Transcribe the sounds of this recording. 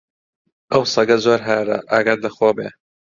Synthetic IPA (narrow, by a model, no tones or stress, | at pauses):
ʔɐwsɐɡɐzoːɾɦɛːɾɐ̰ʔaɡɐɾlɐxoːbeː